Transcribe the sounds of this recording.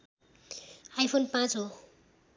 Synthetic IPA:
ajpʰonpãt͡sɦo

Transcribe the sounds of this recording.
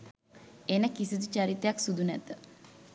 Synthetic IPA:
enəkisid̪ut͡ʃaɾit̪ejaksud̪ʱunɛt̪ə

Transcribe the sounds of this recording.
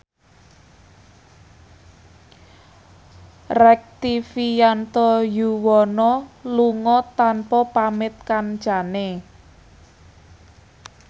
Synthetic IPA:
rɛk̚t̪ifijant̪ɔjuwɔnɔluŋɔt̪anpɔpamɪt̪̚kan̥d͡ʒane

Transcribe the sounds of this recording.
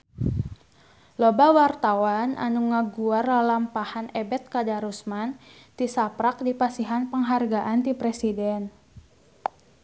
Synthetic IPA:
lobawart̪awanʔa̰nuŋaɡuardalampahanɛbɛt̪̚kadaɾusmant̪isapɾak̚dipasiɦanpəŋɦarɡaʔant̪ipɾɛsidɛn

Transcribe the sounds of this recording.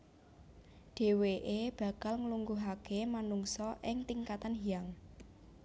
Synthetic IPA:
ɖ̥e̤weʔeb̥ä̤kalŋəluŋɡuɦakemanuŋsɔʔɪŋt̪iŋkat̪anɦijaŋ

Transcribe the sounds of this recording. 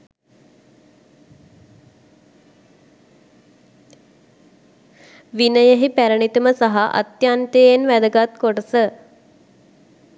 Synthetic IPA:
ʋinəjəɦipæɾəɳit̪uməsaɦaʔa̰t̪jant̪eenʋæd̪əɡat̪koʈəsə

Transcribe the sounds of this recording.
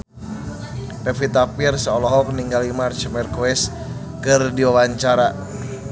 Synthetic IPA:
pɛfit̪apirsəɔlɔɦɔk̚niŋɡalimart͡ʃmɛrkuwɛs | kɨrdiwawaɲt͡ʃaɾa

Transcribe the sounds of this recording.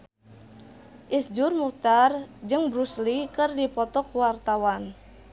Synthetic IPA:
ʔisd͡ʒʊrmuk̚t̪ard͡ʒɨŋbɾuslikɨrdipɔt̪ɔkwart̪awan

